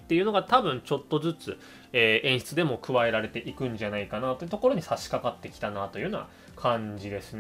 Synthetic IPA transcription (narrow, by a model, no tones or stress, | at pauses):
t̪ːeiɯ̟no̞ɡat̪abɯ̟̃ɲ̟t͡ɕo̞t̪ːo̞zɨt͡sɨ | eːʔẽ̞ɰ̃ɕi̥t͡sɨd̪e̞mo̞kɯ̟βae̞ɾaɾe̞t̪e̞ʔikɯ̟̃ɲ̟d͡ʑanaikanat̪o̞i̟t̪o̞ko̞ɾo̞ɲ̟isaɕi̥kakat̪ːe̞kʲi̥t̪anat̪o̞jiɯɯnaɡa | kʰãɲd͡ʑid̪e̞sɨn